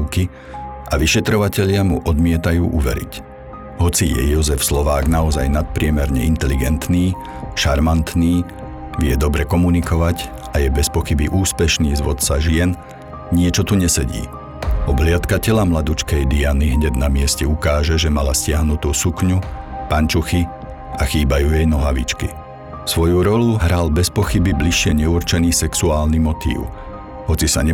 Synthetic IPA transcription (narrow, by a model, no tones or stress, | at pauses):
ki | ʔaʋiʃɛt̪ɾɔʋacɛʎɪamuʔɔd̪mɪɛt̪ajṵːʔuʋɛ̰ɾḭc | ɦɔt͡sijɛ̰jɔzɛfslɔʋaːɡnaɔzajnat̪̚pɾɪɛmɛɾɲɛint̪ɛliɡɛnt̪niː | ʃaɾmant̪niː | ʋɪɛd̪ɔbɾɛkɔmunikɔʋac | ʔajɛbɛspɔxibiʔuːspɛʃniːzʋɔt̪t͡saʒɪɛn | ɲɪɛt͡ʃɔt̪uɲɛsɛɟḭː | ɔblɪat̪kacɛʎamlad̪ut͡ʃkɛjd̪ianiɦɲɛd̪namɪɛscɛukaːʒɛʒɛmalascɪaɦnut̪uːsukɲupant͡ʃuxi | axiːbajuːjɛjnɔɦaʋḭt͡ʃkḭ | sʋɔjuɾɔluɦɾalbɛspɔxibibliʃːɪɛɲɛuɾt͡ʃɛniːsɛksuaːlnimɔt̪ḭːʊ | ɦɔt͡sisa̰ɲɛ